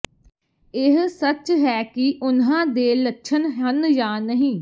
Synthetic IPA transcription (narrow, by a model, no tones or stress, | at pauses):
ɪɦsət͡ʃɦɛːkɪʔʊnɦãːd̪eːlətːʃʰənɦənjaːnəɦĩː